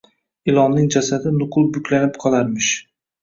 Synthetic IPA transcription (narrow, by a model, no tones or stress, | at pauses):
ɪlˠɒnnɪŋd͡ʒasad̪ɪnʊqʰʊlˠbʊkʲʰlanɪpqʰɒlˠaɾmɪʃ